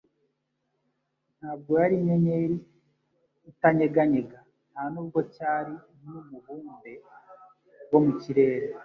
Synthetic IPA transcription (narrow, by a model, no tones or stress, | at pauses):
n̥haːb̚ɡo̞jaɾiɲeɲeɾiː | taɲeɡaɲe̞ɡa | nhanuːb̚ɡo̞caːɾi | mumuβuːmbe̞ | wo̞muciɾe̞ːɾe